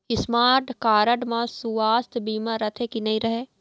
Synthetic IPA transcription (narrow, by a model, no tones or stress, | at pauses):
ɪsmaːɾʈkaːɾəʈmãsuaːst̪ʰbiːmãɾɐt̪ʰekinɐɦĩɾɐɦeː